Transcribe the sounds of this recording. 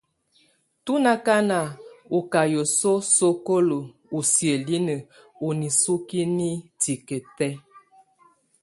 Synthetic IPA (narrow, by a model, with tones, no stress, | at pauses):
tu˦na˦ka˦na˨u˨ka˨jo˨so˦so˦ko˦lo˨ | u˨sje˨li˦nə˨ | u˨ni˨su˦ki˦ni˦ti˨kə˨tɛ˦